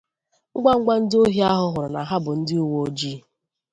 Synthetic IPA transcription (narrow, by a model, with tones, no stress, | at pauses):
ŋ͡m̩˦ɡ͡bʷa˦ŋ̩˦ɡ͡bʷa˦n̩˦do˦ɦi˦a˦ɦʊ˦ɦʊ˨ɾʊ˨na˨ɦa˦bʊ˨n̩˦dɪ˦u˦wo˦o˦d͡ʒi˦